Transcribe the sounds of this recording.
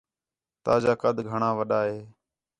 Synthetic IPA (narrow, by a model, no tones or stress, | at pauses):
t̪aːd͡ʒaːkəd̪ʱɡʱəɳãːʋəɗaːɦeː